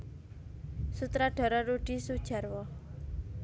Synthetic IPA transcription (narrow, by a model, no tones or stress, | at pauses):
sut̪ɾaɖ̥ɔ̤ɾɔɾoɖ̥isu̥d͡ʒaɾwɔ